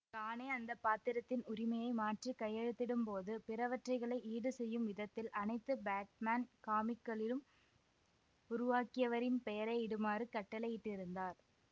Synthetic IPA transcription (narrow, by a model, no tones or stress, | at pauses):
kaːneːɐnd̪ɐpːaːt̪ɪɾɐt̪ːɪnʊɾɪmɐjɐɪmaːʈrikɐjːɛɻɯt̪ːɪɽɯmpoːðɯpɪɾɐʋɐʈrɐɪɣɐɭɐɪʔiːɽɯsɛjːɯmʋɪðɐt̪ːɪlʔɐnɐɪt̪ːɯbaːʈ̚maːnkaːmɪkːɐɭɪlɯm | ʊɾʊʋaːkɪjɐʋɐɾɪnpɛjɐɾɐɪɽɯmaːrɯkɐʈːɐlɐjɪʈːɪɾɯnd̪aːɾ